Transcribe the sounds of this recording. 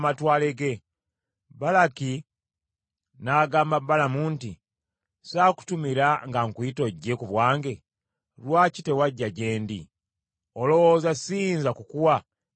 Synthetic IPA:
matwaːle̞ɡe̞ | balaki | naːɡaːmbabːalamunti | saːku̥tumiɾaŋɡaŋkwuito̞ɟːekuβwaːŋɡe̞ | ɾwaːcite̞waɟːaɟe̞ːndḭ | o̞lo̞woːzasiːnzakukuwa

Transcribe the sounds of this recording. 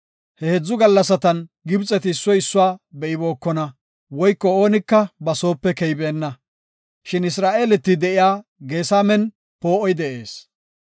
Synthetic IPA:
hɛhɛd͡zːʊɡɐlːɐsɐt̪ɐnɡɪbt͡sʼɛt̪ɪːsːɔjɪsːʊwaːbɛʔɪbo̞ːkːɔnɐ | wɔjkːɔo̞ːnɪkːɐbɐso̞ːpːɛkɛjbeːnːɐ | ʃɪnɪsɾaːʔeːlɛt̪ːɪd̪ɛʔɪjaːɡe̞ːsaːmɛn | po̞ːʔɔjd̪ɛʔe̞ːs

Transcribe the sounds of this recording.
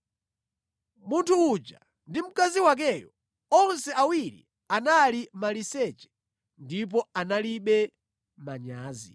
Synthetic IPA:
muntʰuːt͡ʃa̰ | ndim̩kaziwak̬ɛjɔ | ɔnsɛawiɾḭ | analimalisɛt͡ʃɛ̥ | ndip̬ɔanaliɓɛ | maɲaːzḭ

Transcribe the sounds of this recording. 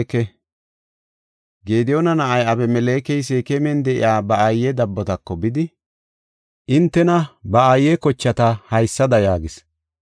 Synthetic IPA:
kɛ | ɡeːd̪ɪjonɐnɐʔɐjɐbɛmɛleːkɛjs̬ekɛmɛnd̪ɛʔɪ̰jaːbɐajːɛd̪ɐbːɔt̪ɐkːɔbɪd̪ɪ | ʔɪnt̪ːɛnɐbɐajːɛkɔt͡ʃːɐt̪ɐhɐjsːɐd̪ɐjaːɡɪs

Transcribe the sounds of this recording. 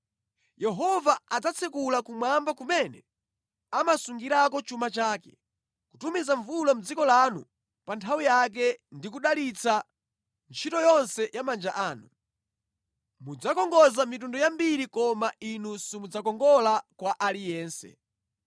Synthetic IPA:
jɛɦɔvaad͡zat͡sʰɛkulakumwambakumɛnɛ | amasuŋɡiɾakɔt͡ʃumat͡ʃaːkɛ | kutumizaɱvulam̩d͡zikɔlanṵ | pantʰawijak̬ɛndikuɗalit͡sʰa | nt͡ʃʰitɔjɔnsɛjamand͡ʒaʔaːnu | mud͡zakɔŋɡɔzamitundɔjambiɾikɔmaʔinusimud͡zakɔŋɡɔlakwaʔalijɛːnsɛ̰

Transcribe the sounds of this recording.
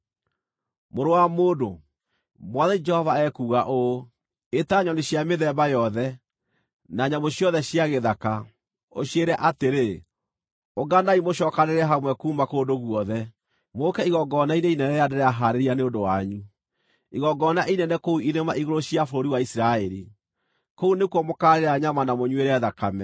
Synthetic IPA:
moɾowamoːdo | mwɔðɛd͡ʒɛhɔvaɛkuːɣaʔo | etaɲɔneɕjameðɛbajɔðɛ | naɲamoɕiɔðɛɕiaɣeðaka | oɕieɾɛʔateɾe | oɡanaimoɕɔːkaneɾɛɦamwɛkuːmakoːndoɣwɔðɛ | mokɛiɣɔɡɔnaineinɛnɛadeɾɛaɦaɾeɾianeondowaɲu | iɣɔɡɔnaʔinɛnɛkouʔiðemaʔiɣoɾoɕiafoɾoɾiwaisɾaɛɾi | kounekuwɔmokaɾeɾaɲamanamoɲweɾɛðakamɛ

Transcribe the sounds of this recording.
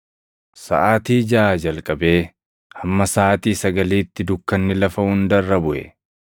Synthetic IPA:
sɐ̰ʔaːt̪iːd͡ʒɐʔaːd͡ʒɐlkʼɐbe̞ː | hɐmːɐsaːt̪iːsɐɡɐliːt̪ːɪd̪ʊkːɐnːɪlɐfɐhʊnd̪ɐrːɐbʊʔɛ̰

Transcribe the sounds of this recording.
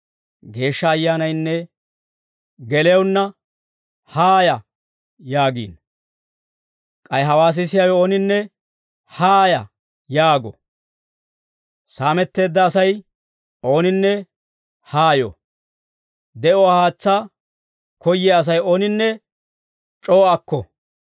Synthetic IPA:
ɡe̞ːʃːɐːjːaːnɐjnːɛ | ɡɛlɛjɐwnːɐ | haːjɐ | jaːɡḭːn | kʼɐjɦɐwaːs̬ɪsɪjɐwo̞ːnɪnːɛ | haːjɐ | jaːɡɔ̰ | saːmɛt̪ːe̞ːd̪ːɐːsɐj | o̞ːnɪnːɛ | haːjo̰ | d̪ɛʔɔwahaːt͡sːaː | kʰɔjːɛɐs̬ɐjoːnɪnːɛ | t͡ʃʼoːɐkːɔ̰

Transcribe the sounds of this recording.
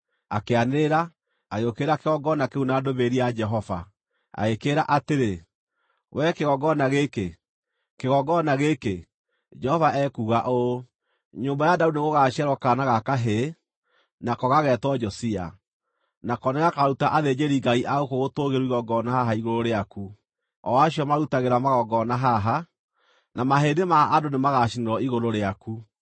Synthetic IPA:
akeaneɾa | aɣeokeɾakeɣɔɡɔnakeunadoβeɾiad͡ʒɛɦɔva̰ | a̰ɣekeɾaʔateɾe | wʔɛkeɣɔɡɔnaɣeke | keɣɔɡɔnaɣeke | d͡ʒɛhɔvaʔɛkuɣaʔo | ɲoːmbajadaudineɣoɣaɕiɛɾɔkanaɣakaɦe | nakɔɣaɣɛtwɔd͡ʒɔsia̰ | nakɔneɣakaɾutaʔaðed͡ʒeɾiɡaiʔaɣokoɣotoɣeɾuiɣɔɡɔnaɦaɦaiɣoɾoɾeaku | ɔ̰aɕiɔmaɾutaɣeɾamaɣɔɡɔnaɦaɦa | namaɦedemaːdonemaɣaʃineɾɔiɣoɾoɾeaku

